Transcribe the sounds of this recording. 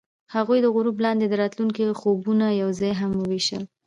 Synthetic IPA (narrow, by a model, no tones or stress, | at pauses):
haɣujd̪əɣʊɾublɑnd̪ed̪əɾɑt̪luŋkixobunajawzɑjɦamwəweʃə̰l